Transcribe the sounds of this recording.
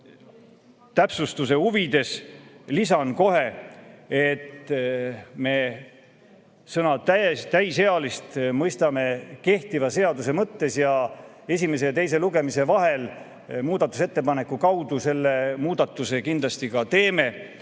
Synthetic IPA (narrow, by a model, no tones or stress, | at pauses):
t̪æpsust̪use̞huvid̪̥e̞slisɑnko̞ɦe̞ | et̪ | me̞ | sɤnɑt̪æst̪æjse̞ɑlist̪mɤjst̪ɑme̞ke̞ht̪ivɑse̞ɑd̪us̬e̞mɤt̪ːe̞sjɑ | e̞sʲime̞s̬et̪e̞js̬e̞luɡe̞mise̞vɑɦe̞l | muːd̪̥ɑt̪ːˑuse̞t̪ːe̞pɑne̞kːukɑwd̪use̞lːe̞muːd̪̥ɑt̪ːˑuse̞kind̪lɑst̪ikɑt̪e̞ːme̞